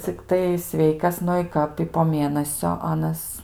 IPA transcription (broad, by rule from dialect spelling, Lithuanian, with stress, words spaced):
t͡sʲɪkˈtɐɪ ˈsʲʋʲɛɪkɐs ˈnʊ ɪ ˈkɐp ɪ poː ˈmʲeːnɐsʲoː ˈɑːnɐs